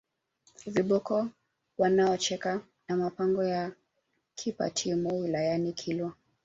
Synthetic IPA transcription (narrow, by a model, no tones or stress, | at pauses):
viɓɔkɔ | wanaɔt͡ʃɛka | namapaŋɡɔja | kʰipa̰tʰimuwilajanikʰilwɔ